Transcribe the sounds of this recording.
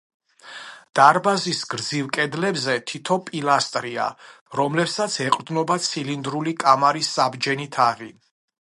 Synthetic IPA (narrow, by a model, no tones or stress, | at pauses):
d̪̥aɾbazisɡɾd̪zivkʼɛd̪lɛbzɛt̪ʰit̪ʰɔpʼilˠast̪ʼɾia̰ | ɾɔmlɛpsat̪sʰɛqʼd̪nɔbat̪sʰilind̪ɾulikʼamaɾisːabd͡ʒɛnit̪ʰaʁi